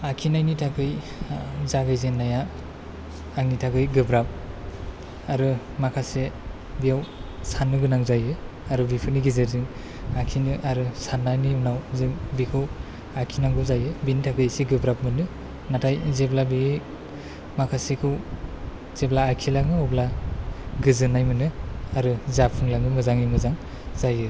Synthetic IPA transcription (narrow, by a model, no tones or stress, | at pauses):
akʰinajnitʰakʰɯj | zaɡɯjzenːaja | aŋnitʰakɯjɡɯbɾap̚ | aɾɯ | makʰase | bijawsanːɯɡɯnaŋzajɯ | aɾɯbipʰɯniɡizedɯŋ | akʰinɯʔaɾɯsanːaniwnawzɯŋbikʰɯw | akʰinaŋɡɯwzajɯbinitʰakʰɯsiɡɯbɾap̚mɯnɯ | natʰajzeblabi | makʰasekʰɯw | z̥eblaːkʰilaŋɯɔbla | ɡɯzɯnajmɯnɯaɾɯzapʰɯŋlaŋɯmɯzaŋimɯzaŋ | zajɯ